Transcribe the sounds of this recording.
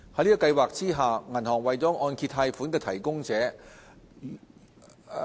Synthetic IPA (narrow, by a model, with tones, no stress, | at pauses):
hɐ˨˥liː˥kɔ˧kɐ˧jwaː˨k̚t͡siː˥ɦaː˨˩ŋɐ˨˩nhɔː˨˩ŋwɐ˨jt͡sɔː˨˥ŋɔː˧nkʰi˧t̪ʰːaː˧jfuː˨˥nkɛː˧t̪ʰɐ˨˩jkʊ˥ŋt͡sɛː˨˥